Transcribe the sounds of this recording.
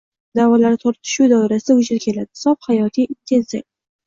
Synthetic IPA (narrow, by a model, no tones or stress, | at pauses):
d̪̥awɒlaɾt̪ʰoɾt̪ʰɪ̥ʃud̪ɒɾasɪd̪aʊd͡ʒɪɾkʲʰe̞lad̪ɪsɒphajɒt̪ʰijint̪ʰe̞nsiɾ